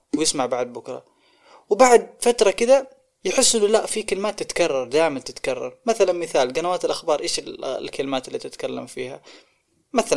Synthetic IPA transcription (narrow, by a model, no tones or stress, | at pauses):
wjɪsmaʕbaʕd̪̚bʊkɾˤɑ̰ | wbaʕd̪̚fat̪ɾˤɑkɪd̪a | jɪħɪsːʔɪnːʊlaʔfikalɪmaːt̪ːɪt̪kɑrˤːɑɾˤd̪aːjmant̪ɪt̪kɑrˤːɑ̰ɾˤmaθalanmɪθaːlɡanawaːt̪ɪlʔaxbɑːɾˤʔeːʃɪllkalɪmaːt̪lːiːt̪ɪt̪kalːa̰mfiːɦa̰ | maθal